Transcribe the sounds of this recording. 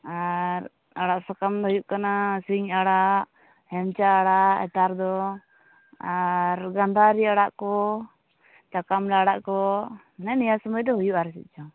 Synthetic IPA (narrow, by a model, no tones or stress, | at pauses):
aɾ | aɽaʔsakamd̪ɔɦujuʔkanasiŋaɽa | hɛmt͡ʃaːɽaɛ̰t̪aɾd̪ɔ | aɾɡand̪aɾiaɽaʔkɔ | t͡ʃakamlaɽaʔkɔ | nɛnijasɔməd̪ɔɦujuʔaɾt͡ʃit̪̚ˀt͡ʃʰɔ